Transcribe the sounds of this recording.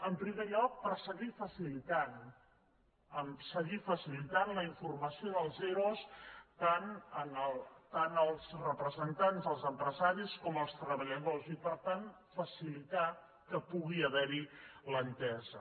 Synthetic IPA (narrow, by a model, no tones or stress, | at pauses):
əmpɾimeʎɔk̚pəɾsəɣifəsilit̪an | əmsəɣifəsilit̪anləiɱfurməsioðəlˠzeɾost̪anənəlˠt̪anəlˠzrəpɾəzənt̪anzðəlˠzəmpɾəzaɾiskɔməlˠst̪ɾəβəʎaɣɔzipəɾt̪an | fəsilit̪a | kəpuɣiəβɛɾilənt̪ɛzə